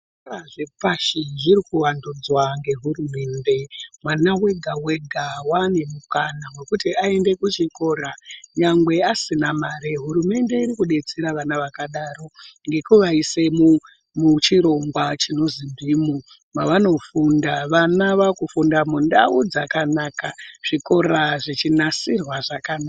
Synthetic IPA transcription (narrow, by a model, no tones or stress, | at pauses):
aʐepaʃiʐiɾikuwandud͡zwaŋɡe̞ɦuɾume̞nde̞mwanawe̞ɡʱawe̞ɡʱawane̞mukanamwe̞kutiae̞nde̞kut͡ʃiko̞ɾaɲaŋɡwe̞asinamaɾeɦuɾume̞nde̞iɾikuɗe̞t͡seɾaʋanaʋakaɗaro̞ŋɡe̞kuʋaisemu | mut͡ʃiɾo̞ŋɡwat͡ʃino̞zibʱimu | maʋano̞fundaʋanaʋakufundamundaud͡zakanaːkaʐ̥iko̞ɾaʐit͡ʃinasirwaʐakanaa